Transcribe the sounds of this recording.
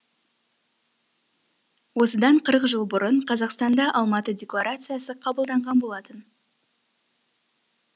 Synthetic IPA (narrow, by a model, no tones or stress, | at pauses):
wo̞səd̪ɑɴqʰəɾəqʒəlˠbʊɾəɴqʰɑzɑqst̪ɑnd̪ɑʔɑlˠmɑt̪ədʲe̞klˠaɾat̪sɨjasəqʰɑbəlˠd̪ɑɴʁɑnbo̞lˠɑt̪ən